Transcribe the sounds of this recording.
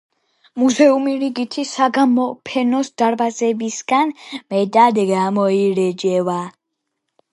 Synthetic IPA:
muzɛumiɾiɡit̪ʰisaɡamɔpʰɛnɔsd̪̥aɾbazɛbisɡ̥anmɛd̪ʼad̪ɡamɔiɾɛd͡ʒɛva

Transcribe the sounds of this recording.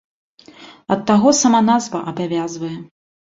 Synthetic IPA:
ɐt̪ːaɣɔsɐmanazvɐʔɐbavʲazvɐjɛ

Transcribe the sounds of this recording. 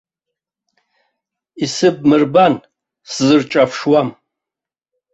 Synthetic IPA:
isɨb̚mɨrban | szɨrt͡ʃʼafʰʂwam

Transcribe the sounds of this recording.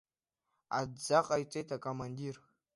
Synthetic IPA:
a̰dd͡zaqʼajt͡sʷʼejtʰakʼomandir

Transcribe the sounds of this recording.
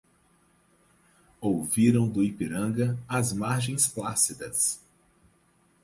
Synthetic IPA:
owviɾɐ̃w̃d̪ʊipiɾɐ̃ɡɐɐzmaɾʒẽj̃splasid̪ɐs

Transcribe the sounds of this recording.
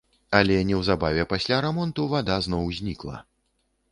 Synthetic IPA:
ɐlʲɛnʲɛwzabavʲɛpasʲlʲaɾɛmɔnt̪uvad̪aznɔwzʲnʲiklˠɐ̰

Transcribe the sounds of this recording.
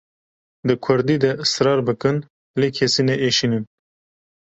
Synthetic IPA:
d̪ɨkʰʊɾd̪iːd̪ɛʔɨsɾɑːɾbɨkɨn | leːkʰɛsiːnɛʔeːʃiːnɨn

